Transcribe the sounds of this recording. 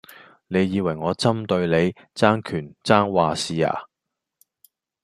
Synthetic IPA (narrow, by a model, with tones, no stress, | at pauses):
ne˨˧jːiː˨˧wɐ˨˩jŋɔː˨˧t͡sɐ˥mt̪ɵ˧ɥle˨˧j | t͡saː˥ŋkʰyː˨˩nt͡saː˥ŋwaː˨siː˨a̰ː˨˩